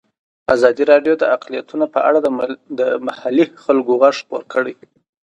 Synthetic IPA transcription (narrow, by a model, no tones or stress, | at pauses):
azɑd̪iɾɑɖjod̪əaqlijat̪unapəʔa̰ɽad̪əmahalixalɡoɣaʂpoɾkəɽej